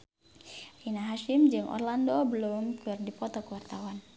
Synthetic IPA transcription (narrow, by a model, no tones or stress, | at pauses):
rinaɦaʃimd͡ʒɨŋʔɔ̰rlandobəlumkɨrdipɔt̪ɔkəwart̪awan